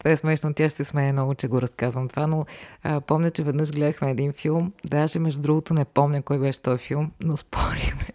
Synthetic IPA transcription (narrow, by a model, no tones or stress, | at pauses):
t̪vɛɛsmɛʃnot̪tʲːaʃsɛsmɛɛnɔɡʊt͡ʃɛɡoɾɐskazvɐmt̪ovanoəpɔmnʲɐt͡ʃɛvɛd̪nɤʒɡlɛd̪əxmɛːd̪infilˠmd̪aʒɛmɛʒd̪ud̪ɾuɡot̪onɛpɔmɲʲəkɔjbɛʃɛ̥t̪ɔjfilˠmnospʰɔɾixmɛ